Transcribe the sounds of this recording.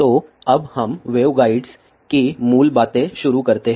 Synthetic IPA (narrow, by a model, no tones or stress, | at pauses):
t̪oəbhəmʋeʋɡaiɖs | kiːmuːlbat̪eɕuɾukəɾt̪e